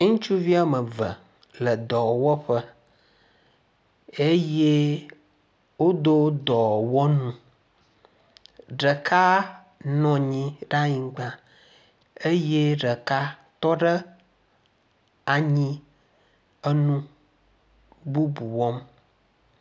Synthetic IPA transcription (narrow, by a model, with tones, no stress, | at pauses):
ŋũ˦t͡ʃu˦vi˦a˦mə˨və̰˨ | lə˨d̪ɔ˨wɔ˦ɸə˦ | e˦je˦ | wo˦d̪o˦d̪ɔ˨wɔ˦nũ˦ | ɖə˨kʰa˦ | nɔ̃˨ɲĩ˦ɖa˦ɲĩ˨ɡ͡bã˦ | e˦je˦ɖə˨ka˦t̪ɔ˦ɖə˦ | a˨ɲĩ˦ | ə˦nũ˦ | bu˦bu˨wɔ˦m